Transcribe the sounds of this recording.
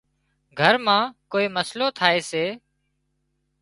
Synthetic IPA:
ɡʱəɾmãːkoːiːməsloːt̪ʰaːeːseː

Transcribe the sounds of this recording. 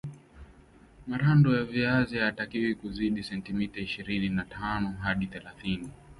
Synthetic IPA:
maɾandɔjaviaziatakiwikuziɗisɛntimitaiʃiɾininatʰanɔɦaɗiθɛlaθini

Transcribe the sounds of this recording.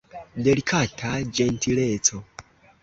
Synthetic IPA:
dɛlikʰatʰad͡ʒɛntʰilɛːt͡sʰɔ

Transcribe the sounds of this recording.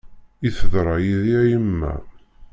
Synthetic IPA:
iθəðɾˤɑjiðiæjəmːæ̰

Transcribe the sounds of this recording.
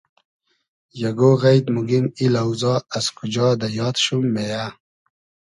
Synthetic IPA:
jaɡoɣajt̪muɡimilawzɑːazkud͡ʒɔːd̪ajɑːt̪ʃumːeja

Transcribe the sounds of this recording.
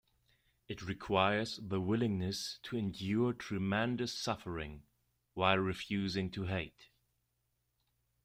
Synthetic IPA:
ɨt̚ɹɨkʰw̥aɪə˞zðəwɪlˠɪ̃ŋnɨstʰɨɨ̃ndjɔɹtʰɹ̥ɨmɛ̃ndɨsʌfə˞ɪ̰̃ŋ | waɪlˠɹɨfjʉzɪ̃ŋtʰəɦeɪt

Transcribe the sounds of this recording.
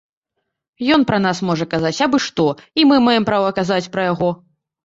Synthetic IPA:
jɔn̪pɾɐnasmɔʐɐkazat͡sʲabɨʂt̪ɔimɨmajɛmpɾavɐkazat͡sʲpɾɐjaɣɔ

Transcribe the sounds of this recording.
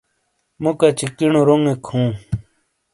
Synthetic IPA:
mukat͡ɕikinoɾoŋekʰũː

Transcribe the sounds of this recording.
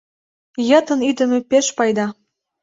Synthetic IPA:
jɤt̪ə̆nyd̪ə̆mĕpeʃpɑjd̪ɑ

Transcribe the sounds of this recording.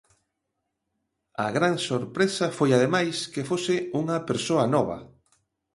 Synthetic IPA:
ɐɣɾaŋsoɾpɾesɐfojaðemajskefosɪuŋɐpeɾsoɐnɔβɐ̰

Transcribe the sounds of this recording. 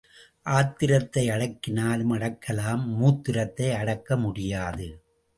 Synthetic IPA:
ʔaːt̪ɪɾɐt̪ːɐɪɐɽɐkːɪnaːlɯmɐɽɐkʰːɐlaːmːuːt̪ːɪɾɐt̪ːɐɪɐɽɐkːɐmʊɽɪjaːðɯ

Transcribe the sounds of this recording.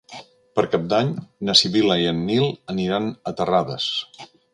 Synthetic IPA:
pəɾkap̚d̪aɲnəsiβiləiənːilˠəniɾanət̪əraðə̰s

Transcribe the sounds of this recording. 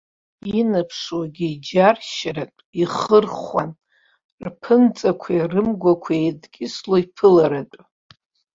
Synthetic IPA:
inɨpʰʂwaɡʲiid͡ʒarʃaɾatʷʼiχərχʷan | rpʰɨnt͡sʼakʷʰajrɨmɡʷakʷʰaejdɡʲʼɪsloipʰɨlaɾatʼ

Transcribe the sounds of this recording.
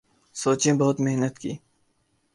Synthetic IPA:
soːt͡ʃẽbɐɦʊt̪meɦnət̪kḭː

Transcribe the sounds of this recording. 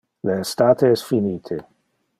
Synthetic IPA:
leːst̪aːt̪eɛsfiniːt̪ʰe

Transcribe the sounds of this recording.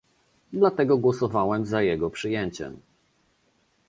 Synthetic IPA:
d̪lat̪ɛɡɔɡwɔsɔvawɛmzajɛɡɔpʂɘjɛɲt͡ɕɛ̰m

